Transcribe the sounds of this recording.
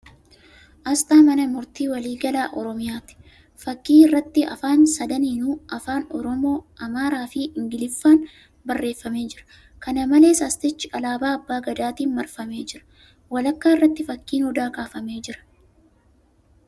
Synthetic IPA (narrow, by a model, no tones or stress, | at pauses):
ʔɐst̪ʼaːmɐnɐmʊɾt̪iːwɐliːɡɐlaːʔɔɾɔmɪjaːt̪ɪ̥ | fɐkːiːɪrːɐt̪ːɪɐ̰faːnsɐd̪ɐniːnuːʔɐfaːnɔɾɔmo̞ːʔɐmaːɾaːfɪɪŋɡɪlɪfːaːn | bɐrːe̞ːfːɐme̞ːd͡ʒɪɾɐ̥ | kɐnɐmɐle̞ːsɐst̪ɪt͡ʃːɪʔɐlaːbaːɐbːaːɡɐd̪aːt̪iːnmɐɾfɐme̞ːd͡ʒɪɾɐ̥ | wɐlɐkːaːɪrːɐt̪ːɪfɐkːiːnhʊd̪aːkaːfɐmeːd͡ʒɪɾɐ̥